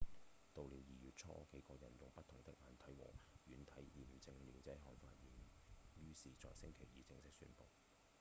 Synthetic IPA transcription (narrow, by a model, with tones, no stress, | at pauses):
t̪o˨˧wli˨˥wjiː˨jyː˨t̚t͡ʃʰɔː˥ʊ̰˥kʰe˨˥jkɔː˧jɐ˨˩njʊ˨ŋpɐ˥t̪ʰʊ˨˩ŋt̪ɪ˥k̚ŋaː˨˧nt̪ʰɐ˨˥jwɔ̰ː˨˩ŋjyː˨˥nt̪ʰɐ˨˥jiː˨˩m̩˨t͡sɪ˧ŋliː˨˩wt͡sɐ˨˥jɦɔː˨˩ŋfa̰ː˧t̚ji˨˩njyː˥siː˨t͡sɔ̰ː˨˩jsɪ˥ŋkʰe˨˩jiː˨˧t͡sɪ˧ŋsɪ˥k̚sy̰ː˧˥npo̰˨˩w